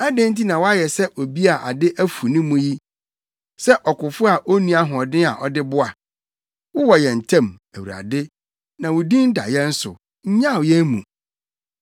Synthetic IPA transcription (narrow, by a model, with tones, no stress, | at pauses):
a˦dɪ̃˦n̩˦ti˦nã˨wɔ˦a˦jɛ˨sɛ˦ʔo˨bi˦a˨ʔa̰˨dɪ˦ʔæ˦fu˨nĩ˦mũ˦ji˦ | sɛ˦ʔɔ˨kʊ˨fʊ˦a˨ʔo˦nũ˦a˦ɦʊ̃˨ɔ˨dɪ̃˦a˨ʔɔ˨dɪ˦bʊ˦a˨ | wʊ˦wɔ˨jɛ̃˨n̩˨tʰã˦˨m | æ˨wu˨ɾa̰˨dɪ˦ | nã˨wʊ˨dĩ˦n̩˦da̰˨jɛ̃˦n̩˦sʊ̰˨ | ɲ̩˦ɲã˦˨jɛ˦mṵ̃˨